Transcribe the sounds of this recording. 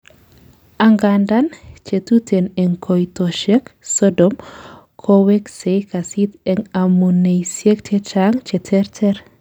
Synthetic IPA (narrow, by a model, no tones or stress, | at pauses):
aŋɡandant͡ʃetutʰenɛŋkʰojtoʃeksodɔm | kʰoweksekasit̪ɛŋamunejsjek̚t͡ʃet͡ʃaŋt͡ʃetʰɛɾtʰɛr